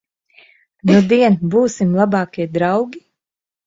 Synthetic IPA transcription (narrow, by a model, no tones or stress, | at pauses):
nud̪iɛnbuːsimlˠabɑːkʲiɛd̪ɾawɡʲi